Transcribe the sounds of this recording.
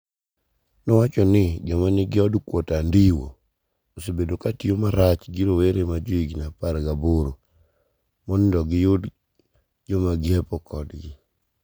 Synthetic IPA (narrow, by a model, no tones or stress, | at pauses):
nɔwat͡ʃɔnɪd͡ʒɔmanɪɡɪɔdkwɔtandiwo̰ | osebedokatiomaɾat͡ʃɡiɾoweɾemad͡ʒoiɡnapaɾɡaboɾo | mɔndɔɡɪjʊd | d͡ʒɔmaɡɪɛpɔkʰɔdɡɪ